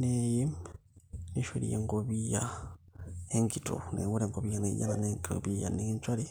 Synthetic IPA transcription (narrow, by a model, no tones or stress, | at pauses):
nejim | neʃwolijḛŋɡoβija | eŋɡitʰo̰newuleŋɡoβijaneja̰naneŋɡito̰βija̰neɲt͡ʃwale